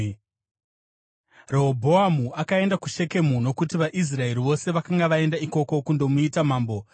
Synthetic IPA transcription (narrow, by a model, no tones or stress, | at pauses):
reɦobʱo̞amuʔakae̞ndakuʃe̞ke̞muno̞kutiʋaʔis̬rae̞ɾiʋo̞se̞ʋakaŋɡaʋae̞ndaiko̞ko̞kundo̞muitamaːmbo̞